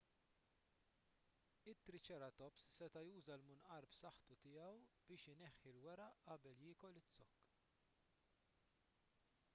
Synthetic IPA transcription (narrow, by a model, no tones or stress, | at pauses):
ɪt̪ːɾɪt͡ʃɛɾɐt̪ɔpssɛt̪ɐjuːzɐlmʊnʔɐɾpsɐħt̪ut̪ɪjɐwb̥ɪːʃɪnɛħːɪlwɛɾɐʔɐbɛljɪːkɔlɪt͡sːɔkː